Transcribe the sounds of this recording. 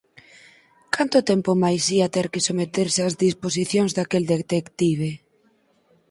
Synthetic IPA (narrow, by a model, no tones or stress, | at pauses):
kʰant̪ʊt̪ɛmpomajsiat̪ɛɾkɪsomet̪eɾsɪazðisposiθjoŋzd̪akeld̪et̪ekt̪iβe